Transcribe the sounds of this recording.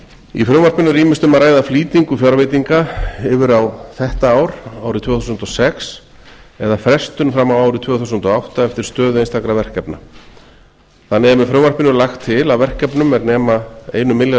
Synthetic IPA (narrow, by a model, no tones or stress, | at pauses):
ḭfɾœwvar̥pɪnʏɾiːmɪst̪ʏmaɾaːjðafliːt̪iŋkʏfjɔɾvejt̪iŋkaɪvɪɾawθɛht̪aaːwɾaːwɾɪt̪ʰv̥ɛːθusʏnt̪ɔsɛks | ɛðafɾɛst̪ʏnfɾamawaːwɾɪt̪ʰv̥øːɣθusʏnt̪ɔawht̪aɛft̪ɪɾ̥st̪œːðʏejnst̪akɾavɛr̥kɛpna̰ | θanːɛmɛfɾœːwmvar̥pɪnʏlaxt̪ʰːɪlawvɛr̥kɛpnʏmːɛɾnɛːmaḛjnʏmːɪlja